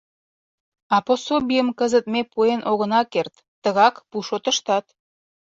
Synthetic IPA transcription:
ɑposobʲijəmkəzət̪̚mepuenʔoɣə̆nɑkert̪ːəɣɑkpuʃot̪ə̆ʃt̪ɑt̪

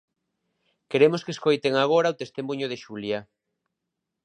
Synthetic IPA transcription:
keɾemoskeskojt̪eŋaɣ̞oɾaot̪est̪emuɲoð̞eʃulja

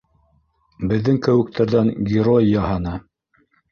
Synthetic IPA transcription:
bɘ̆ðːɘŋkæwɘ̆k̚t̪ʰæɾðæŋɡʲɪɾojːɑhɤnɤ

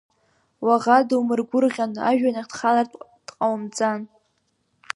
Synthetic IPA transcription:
waʁadwmɨrɡʷʊrʁʲana̰ʒᶣanaχdχalartʼd̥ʼqʼawmd͡zʼan

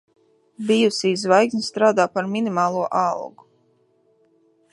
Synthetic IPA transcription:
bijusizvajɡnʲst̪ɾaːd̪aːpaɾminimaːlˠuɔʔalˠɡu

